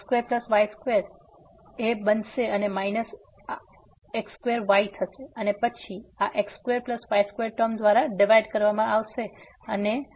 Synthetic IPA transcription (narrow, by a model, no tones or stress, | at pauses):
skʋeɾpləsʋajskʋeɾ | ebənʃeənemainəs | a | ekskʋeɾʋajt̪ʰːəʃeənepət͡ʃʰiaʔekskʋeɾpləskʋajskʋeɾʈəmd̪ʋaɾaɖɪʋajɖkəɾʋamãʔaʋʃe | əne